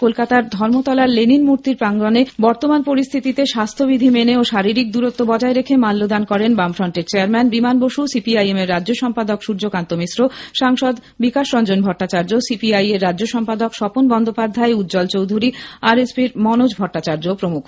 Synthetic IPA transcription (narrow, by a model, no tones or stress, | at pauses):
kolkat̪aɾd̪ʱɔɾmot̪ɔlaɾleninmuɾt̪iɾpɾaŋɡɾonebɔɾt̪omanpoɾist̪ʰit̪it̪eʃast̪ʰobid̪ʱimeneoʃaɾiɾik̚d̪uɾot̪ːobɔd͡ʑaeɾekʰemalːod̪ankɔɾenbamfʰɾɔɳʈeɾt͡ɕeaɾmɛnbimanboʃusipiajemeɾːadd͡ʑoʃɔmpad̪okʃuɾd͡ʑokant̪omisɾoʃaŋʃɔd̪ | bikaʃɾɔnd͡ʑonbʱɔʈːat͡ɕaɾd͡ʑosipiajeɾːadːd͡ʑoʃɔmpad̪okʃɔponbɔnd̪ʱopad̪ʱːaeut̪ːd͡ʑɔlt͡ɕowd̪ʱuɾiaɾespiɾmɔnod͡ʑbʱɔʈːat͡ɕaɾd͡ʑopɾomukʰ